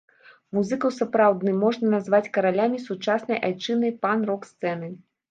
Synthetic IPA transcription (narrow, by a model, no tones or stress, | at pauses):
muzɨkɐwsapɾawd̪nɨmːɔʐnɐnazvat͡sʲkɐɾalʲamʲisut͡ʂasnɐjʔajt͡ʂɨnɐjpanrɔkst̪sɛnɨ